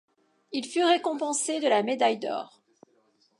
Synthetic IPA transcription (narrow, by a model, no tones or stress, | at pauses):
ilfyʁekɔ̃pɑ̃sed̪əlamed̪ajd̪ɔ̰ːʁ